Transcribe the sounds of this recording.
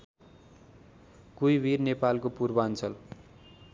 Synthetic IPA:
kujbirnepalkopurbʌant͡sʰʌl

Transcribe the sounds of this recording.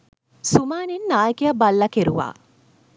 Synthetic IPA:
sumaːninːaːjəkejabalːɐkeɾuʋa̰ː

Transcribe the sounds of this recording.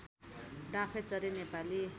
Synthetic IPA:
ɖãpʰet͡sʌɾinepali

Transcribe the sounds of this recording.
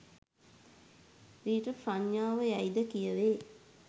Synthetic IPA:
ɾiːʈəfɾaɲjaːʋəjæjd̪əkijəʋeː

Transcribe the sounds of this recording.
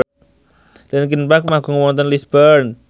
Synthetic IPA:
lɛnk̬inpak̚maɡuŋəwɔnt̪ɔnlisbərn

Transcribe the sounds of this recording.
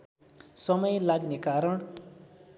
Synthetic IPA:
sʌmʌjlaɡnekaɾʌɳ

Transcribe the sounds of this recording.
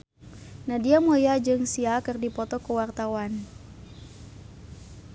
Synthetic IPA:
nadiamojad͡ʒɨŋsiakɨrdipɔt̪ɔkəwart̪awan

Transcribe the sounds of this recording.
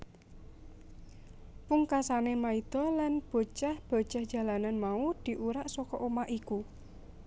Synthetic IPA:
puŋkasanemaid̪̥ɔ̤lanb̥o̤t͡ʃahb̥o̤̥d͡ʒ̥a̤hd̥ʒ̥a̤lananmaud̪̥i̤ʔuɾaʔsɔkɔʔomaʔiku

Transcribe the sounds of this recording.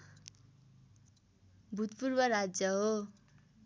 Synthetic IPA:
bʱut̪purbʌɾad͡zjʌɦo

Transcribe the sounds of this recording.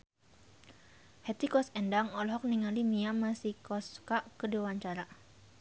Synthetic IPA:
hɛt̪ikɔsɛndaŋɔlɦɔk̚niŋalimiamasikɔskaʔkədewaɲt͡ʃaɾa

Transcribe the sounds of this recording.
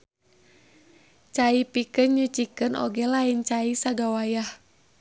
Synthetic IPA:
t͡ʃaipikɨnɲut͡ʃikɨno̰ɡɛlaint͡ʃaisaɡawajah

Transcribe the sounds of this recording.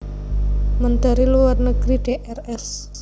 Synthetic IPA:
mənt̪aɾiluwarnəɡ̥ɾiɖ̥eʔɛrɛs

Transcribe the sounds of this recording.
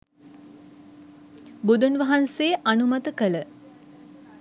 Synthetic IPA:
bud̪unʋɐɦanseːʔanumat̪əkələ

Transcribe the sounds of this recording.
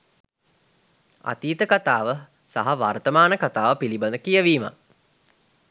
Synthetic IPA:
a̰t̪iːt̪əkat̪aːʋə | sa̰ɦaʋart̪əmaːnəkat̪aːʋəpiliband̪əkijəʋiːma̰

